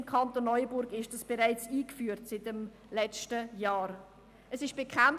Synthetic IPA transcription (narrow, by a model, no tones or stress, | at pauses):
mkʰɑntonːɔʏəbʊɾɡɪʃdɑsb̥eʁaɪt͡siːkfyːɾtsɪtəm | lɛt͡ʃtəjaːɾ | əsɪʃb̥ekχan